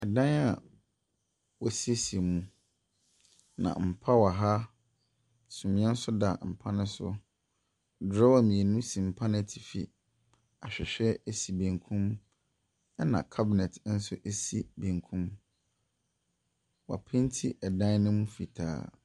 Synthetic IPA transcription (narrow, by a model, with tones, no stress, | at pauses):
ɛ˨dã˦na̰˨ | wɔ˨si˦e˦si˨e˨mũ˨ | nã̰˨m̩˨pʰa˦wa˨ɦa˦ | sũ˨mĩ˦ɛ̃˦n̩˦sʊ˦da˨m̩˨pʰa˦nʊ̃˦sʊ̰˦ | dɾɔ˦wa˦˨mĩ˨e˨nũ˦sĩ˨m̩˨pʰa˦nɪ̃˦˨tʰi̥˨fi˨ | a˨ɕᶣɪ˨ɕᶣɛ˦e˦si˨bẽ˨ŋkʰũ˦m˦ | nã̰˨kʰa˦bɪ˨nɛ˨tʰn̩˦sʊ˦ʔe˦si˦˨bẽ˨ŋkʰũ˦m | wa̰˨pʰɪ̃˦n˦tʰi˦ʔɛ˨dã˦nnʊ̃˦mũ˦fi˨tʰa̰ː˦